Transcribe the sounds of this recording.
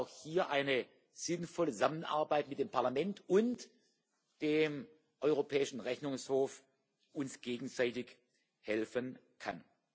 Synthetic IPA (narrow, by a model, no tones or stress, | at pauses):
ʊxhiːɐʔaɪnə | z̥ɪnfɔləzamənʔa̰ɐbaɪtmɪtd̥eːmpʰaɐlamɛntʊnt | d̥eːm | ʔɔʏʁopʰɛːɪʃn̩ʁɛçnʊŋshoːf | ʔʊnsɡ̥eːɡŋ̩zaɪtɪç | hɛlfən | kʰa̰n